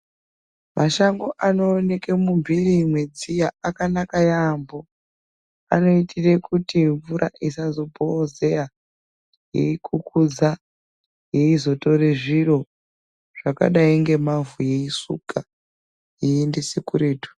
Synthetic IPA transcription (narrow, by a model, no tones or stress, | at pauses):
maʃaŋɡo̞ʔano̞ːne̞kemuɱvirimwe̞d͡zijaakanakajambo̞ | a̰no̞itʰire̞kutiɱvuɾʔa̰ʔisazo̞bʱoze̞ra | jḛikʰukʰud͡za | je̞izo̞to̞reʐiro̞ | ʐ̥aka̰ɗaiŋɡe̞mavuje̞isṵka | jiindisekureːtu̥